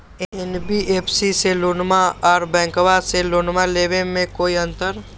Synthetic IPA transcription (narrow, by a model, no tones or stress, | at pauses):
ɛnbieːpʰsiselʊːnmaɔːɾbɛ̃ːŋkʋaselʊːnmaleːʋemẽkoːiə̃nt̪əɾ